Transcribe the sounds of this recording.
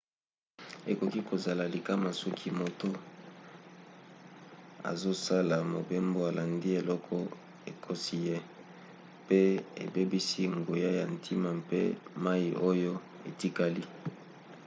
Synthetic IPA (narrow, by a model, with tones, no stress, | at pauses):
e˨ko˨ki˦ko˨za˨la˨li˨ka˦ma˨su˦kʰi˦mo˨to˦ | a̰˨zo˦sa˦la˨mo˨be˦mbo˦a˨la˨ndi˦e˨lɔ˦kʰɔ˦ | e˨kʰo˦si˦je˦ | pe˦ḛ˨be˦bi˦si˦ŋɡo˨ja˦ja˨ntʰi˦ma˨mpḛ˦ma˦i˨ʔo˦jo˦ | e˨ti˦ka˦li˦